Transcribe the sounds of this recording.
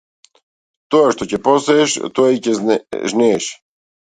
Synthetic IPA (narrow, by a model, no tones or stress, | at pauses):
t̪oaʃt̪ɔcɛpɔsɛːʃt̪ɔacɛʒnɛːʃ